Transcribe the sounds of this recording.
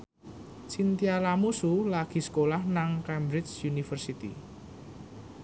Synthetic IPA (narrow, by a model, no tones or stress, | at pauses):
t͡ʃint̪ialamusulaɡ̥i̤sə̥kolahnaŋkɛmbɾɪt͡ʃjunifərsit̪ḭ